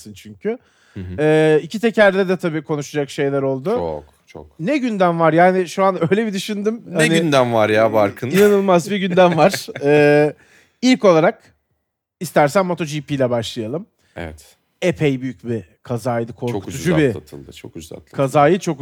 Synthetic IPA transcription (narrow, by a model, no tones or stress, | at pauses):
sɯnt͡ʃʰyɲcʰy | ɛːicʰit̪ʰecʰæɾd̪ɛd̪ɛt̪ʰabiːkʰo̞nuʃad͡ʒakʃe̞jlʲæɾo̞lˠd̪ʊokt͡ʃʰo̰knɛɟynd̪æmvaɾjaːnɪʃuanø̞jlʲebid̪yʃynd̪ymhaniynd̪æmvaɾjabaɾkʰɯninanɯlˠmazbiɟynd̪ænvaɾ̥ɛː | ilʲko̞lˠaɾak̚ | ist̪æɾsænmːo̞t̪ʰo̞d͡ʒiːpiːlʲɛbaʃlˠɯjalˠɯm | ɛ̰vɛ̰t̪ | epʰejbyjyc̚bikʰazaːjd̪ɯkʰo̞ɾkut̪ʰud͡ʒubit̪ʰɯ̰lˠd̪ɯt͡ʃʰo̰kd͡ʒ̪a̰lkʰazaːjɯt͡ʃʰo̞k